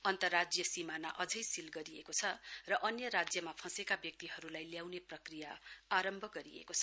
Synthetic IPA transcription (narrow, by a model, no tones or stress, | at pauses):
ʌnt̪ʌrːad͡zjʌsimanaʔʌd͡zʌjsilɡʌɾiekot͡sʰʌrʌʔʌnjʌɾad͡zjʌmapʰʌ̃sekabjʌk̚t̪iɦʌɾulajljawneprʌkrijaaɾʌmbʱʌɡʌɾḭḛkot͡sʰʌ